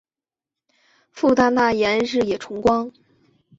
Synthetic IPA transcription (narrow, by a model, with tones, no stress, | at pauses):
fu˥˧t̪a˥˧na˥˩jɛ˧˥nɻɻ̩˥˩jɛ˨˩ʈ͡ʂʰʊ˧˥ŋkwɑ˥ŋ